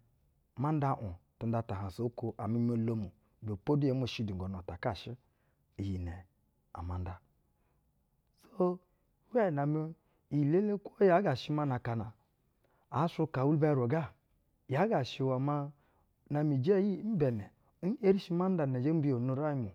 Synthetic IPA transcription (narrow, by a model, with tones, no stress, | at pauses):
ma˦n˦da˦˨ʔu˨tu˨n˦da˨ta˨ɦa˨so˨˦ko˦ʔa̰˨mi˦m˦o˦lo˦mu˨ | bo˨po˦du˦je˨˦m˦o˨ʃi˦du˨ɡo˨n˨o˨ta˨ka˦˨ʃi˦ | i˨ji˨nɛ˨ | a̰˨ma˨n˦da˦ | so˦ | we˦˨na˨mi˦ | i˨le˦le˦kʷo˦ja˨˦ɡa˨ʃi˦ma˦na˨ka˨na˨ | a˨˦su˦ka˨wu˦lba˦ɾo˨ɡa˦˨ | ja˨˦ɡa˨ʃi˨wa˨ma˦ | na˨mi˨d͡ʒe˦ji˦m̩˦bɛ˨nɛ˨˦ | n̩˦e˦ɾi˦ʃi˦ma˦n̩˦da˨ne˨d͡ʒe˦bi˦o˨nu˦ɾa˦ji˦mu˨